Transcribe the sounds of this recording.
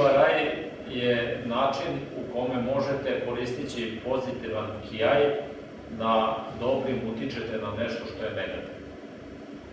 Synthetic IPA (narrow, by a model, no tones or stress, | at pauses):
aɾaj | jenaːt͡ʃinuko̞memo̞ʒet̪eko̞ɾiːst̪it͡ɕipo̞zit̪iʋankʰiaj | d̪ad̪o̞bɾimut̪it͡ʃet̪enaneʃt̪oʃt̪o̞jeneɡat̪iʋno